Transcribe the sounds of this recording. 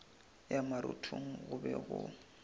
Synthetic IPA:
jamaɾʊtʰuŋ̩ɣʊbɛɣʊ

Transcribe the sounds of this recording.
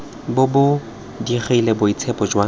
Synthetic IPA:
bʊbʊ | diχilebʊit͡sʰɛpɔd͡ʒwa

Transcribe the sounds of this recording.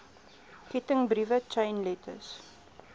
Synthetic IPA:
kɛtəŋbɾivət͡ʃɐ̃jnlɛtʰə̰s

